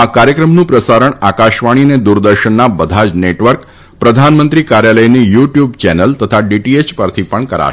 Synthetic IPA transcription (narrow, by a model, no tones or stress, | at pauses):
akaɾjəkɾəmnũpɾəsaɾəɳakaʃʋaɽ̃ined̪uɾd̪əɾʃənːabəd̪ʱad͡ʒneʈʋəɾk | pɾəd̪ʱanmənt̪ɾikaɾjaləjnijuʈjubt͡ʃɛnəlt̪ət̪ʰaɖiʈiet͡ʃpəɾt̪ʰipəɳkəɾa̰